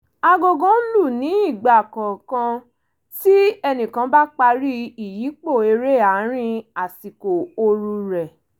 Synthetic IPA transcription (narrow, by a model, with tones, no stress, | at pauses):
a˧ɡo˨ɡɔ̃˨˦lu˦˨nĩ˨˦i˦˨ɡ͡ba˨kɔ̃˨kã˧ | ti˦ɛ˧nĩ˨kã˧ba˦k͡pa˧ɾi˦i˨ji˨˦k͡po˦˨e˧ɾe˦˨a˨˦ɾ̃ĩ˧a˨si˨ko˨o˧ɾu˧ɾɛ˨